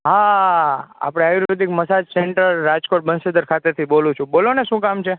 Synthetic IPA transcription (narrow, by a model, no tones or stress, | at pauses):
ɦã | a̰pɽ̃eajuɾod̪ʱikməsad͡ʒseɳʈəɾːad͡ʒkoʈ̚bənsed̪əɾkʰat̪eɾt̪ʰibolũt͡ʃʰũboloneʃũkamt͡ʃʰe